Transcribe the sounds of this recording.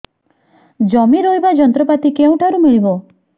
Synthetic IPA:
d͡ʒɔmiɾojbad͡ʒɔnt̪ɾɔpat̪ikeũʈʰaɾumiɭibɔ

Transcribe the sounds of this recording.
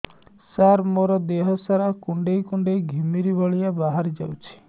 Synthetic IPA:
saɾmoɾɔd̪eɦɔsaɾakuɳɖejkuɳɖeɡʱimiɾibʱɔɭijabaɦaɾid͡ʒa̰wt͡ʃʰi̥

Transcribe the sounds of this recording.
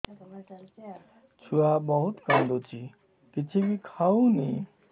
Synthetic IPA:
t͡ʃʰuabəɦut̪kəmd̪ot͡ɕʰi | kit͡ɕʰibikʰaũni

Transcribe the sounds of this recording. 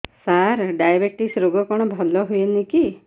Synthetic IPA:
saɾɖajabek̚ʈisɾoɡɔkɔɽ̃ɔbʱɔlɔɦujeniki

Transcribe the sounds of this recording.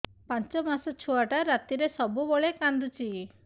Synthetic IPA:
pant͡ʃɔmasɔt͡ʃʰuaʈaɾat̪iɾesɔbubɔɭekand̪ut͡ʃi

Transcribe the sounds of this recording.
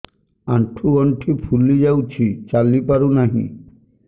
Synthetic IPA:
a̰ɳʈʰuɔɳʈʰipʰulid͡ʑawt͡ɕʰit͡ɕalipaɾunaɦḭ̃

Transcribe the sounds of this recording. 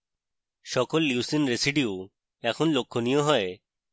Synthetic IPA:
ʃɔkɔlːjuusinɾesiɖiu | ɛkʰɔnlokʰːonijɔɦɔe

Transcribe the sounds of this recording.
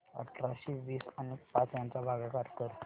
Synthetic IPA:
ə̰ʈɾaɕiʋiːsanekpat͡sjãnt͡sabʱaɡakaɾkəɾ

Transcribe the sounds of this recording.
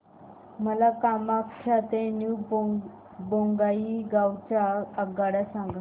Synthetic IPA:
məlakamakkʰat̪enu | boŋɡaiɡawt͡ɕaəɡaɽasãŋɡa

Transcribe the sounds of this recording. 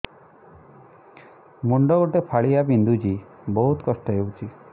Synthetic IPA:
muɳɖɔɡoʈepʰaɭiabind̪ʱud͡ʒi | bɔɦut̪kɔsʈɔɦewt͡ʃʰi

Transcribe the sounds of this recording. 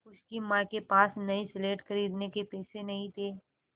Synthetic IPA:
ʊskimãkepaːsnɐisɪleːʈxɐɾiːd̪nekepɛːsenɐɦĩt̪ʰeː

